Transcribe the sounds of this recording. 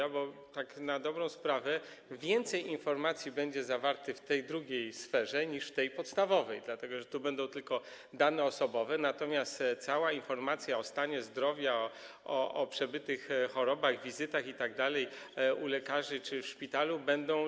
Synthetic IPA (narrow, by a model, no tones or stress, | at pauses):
abɔt̪aknad̪ɔbɾɔ̃w̃spɾavɛ | vʲjɛnt̪sɛjinfɔɾmat̪sʲjibɛɲd͡ʑɛzavaɾt̪ɘft̪ɛjd̪ɾuɡʲejsfɛʐɛɲiʂft̪ɛjpɔt̪st̪avɔvɛjd̪lat̪ɛɡɔʐɛt̪ubɛnd̪ɔ̃w̃t̪ɘlkɔ | d̪anɛɔsɔbɔvɛnat̪ɔmʲjast̪t̪sawainfɔɾmat̪sʲjaɔst̪aɲɛzd̪ɾɔvʲjaɔ | ɔɔpʂɛbɘt̪ɘxxɔɾɔbaɣvʲizɘt̪axit̪aɡ̚d̪alɛjulɛkaʐɘt͡ʂɘfʂpʲit̪alubɛnd̪ɔ̃w̃